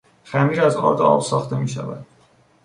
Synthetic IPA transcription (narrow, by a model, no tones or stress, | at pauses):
xæmiːɾæzɒ̰ːd̪ɒ̰ːb̥sɒːxt̪e̞miːʃæ̰væ̰d̪̥